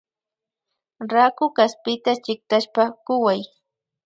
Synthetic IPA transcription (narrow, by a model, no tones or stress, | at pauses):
ɾakʊkaspɪt̪at͡ʃɪk̚t̪aʃpakʊwaj